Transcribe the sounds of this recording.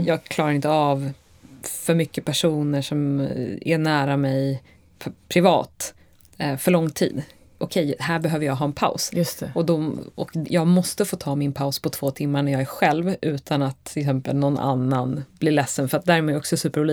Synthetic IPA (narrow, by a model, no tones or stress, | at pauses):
jɑːɡkʰlɑːɾaɾɪnt̪əav | fœɾmʏkːəpʰæʂuːnəʂɔmæ̰ɳæːɾamɛjʰ | pʰɾɪvɑ̰ːt̪ | fœɭɔŋːt̪ʰḭːd̪ | ʔɔkʰɛjhæːɾbɛɦøːvəɾjɑːɡɦɑːɛnpʰa̰ʊsjst̪ɛɔd̪ɔɔ̰kjɑːɡmɔst̪əfoːt̪ʰɑːmɪnpʰaʊspʰɔt̪ʰv̥oːt̪ʰɪmːaɳæɾjɑːɡæɾɧɛlvʔʉ̟ːt̪ʰanat̪ʰːɪlɪks̬ɛmpə̰lnɔnːʔa̰nːanblɪɭɛsːənfœɾat̪̚d̪æːɾɛmɛːɔksɔɛsʉ̟ːpəɾuːli